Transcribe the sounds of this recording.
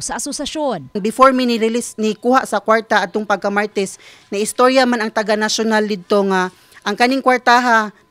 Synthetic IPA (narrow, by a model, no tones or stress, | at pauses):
saʔasʊsaʃonnbɪfoɹminɪɾɪlɪsnɪkuhaʔsakwaɹt̪aʔad̪̚t̪oŋpaɡ̚kamaɹt̪ɛs | naɪst̪oɹjamanaŋt̪aɡanaʃʊnald̪ɪd̪̚t̪oŋa | ʔaŋkanɪŋkwaɹt̪aɦa